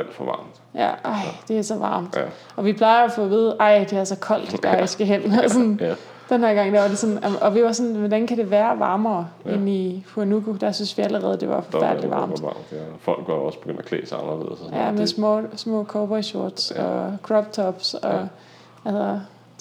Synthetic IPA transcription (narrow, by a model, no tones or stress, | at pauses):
æl̰d̥fɒʋɑ̰̈ːmd̥jæɑ̈ɪ̰d̥e̝æsɒ̽ʋɑ̈ːmd̥ | ɒ̽ʋipʰlɑ̈ɪɐɒfɔ̽ːʋiːð̞̩ˠʔɑ̈ɪ̰d̥e̝æɐsɒ̽kʰɒ̽l̰d̥d̥ɑsɡ̥æɦen̰sɔn | d̥enheɐɡ̥ɑ̈ŋ̰d̥æʋɑ̈de̝sɔ̽næmʔɒ̽ʋiʋɑ̈sɔ̽nʋɒd̥ænkʰæɾ̥e̝ʋæːɐʋɑ̈ːmɐːe̝nifʰuɐnuɡ̥ʰo̝d̥æsynsʋiæləʁɛːð̞̩ˠd̥e̝ʋɑ̈fɒ̽fæɐ̰dəlḭʋɑ̈ːmd̥̰fɒ̽l̰ɡ̥ɒɒ̽sb̥eɡ̥øn̰d̥ækʰlḛːsaɪɑnɐle̝ð̩ˠsjæmesmɔ̰ːsmɔ̰̽ːkʰɒːb̥ʁɛɕo̝ɐ̰d̥sɒkʰʁɒb̥̚t͡sʰɒb̥sɒ̽ | ælsɐ